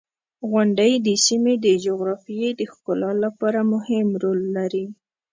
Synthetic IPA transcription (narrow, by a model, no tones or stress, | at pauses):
ɣʊɳɖəjd̪əsimed̪əd͡ʒoɣɾɑfijed̪əxkʊlɑlapɑɾamʊhɪmɾolːaɾi